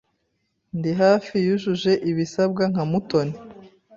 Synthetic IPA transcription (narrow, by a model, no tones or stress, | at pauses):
ndiɦaːfijuʒuʒe̞ʔiβisab̚ɡaŋ̥amuto̞ni